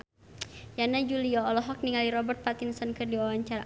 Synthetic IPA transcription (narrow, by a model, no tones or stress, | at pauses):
janad͡ʒuliɔːlɔɦɔk̚niŋaliɾɔbərt̪̚pat̪ɪnsɔnkərdiwawaɲt͡ʃaɾa